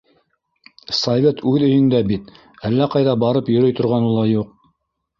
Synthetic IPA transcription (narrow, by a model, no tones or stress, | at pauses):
sovʲet̪ʉðɵ̆jɵ̆ŋd̪æbit̪ | ælːæqɑjðɑbɑɾɤpjɵ̆ɾɵjt̪ŏɾʁɑnɤlˠɑjuq̚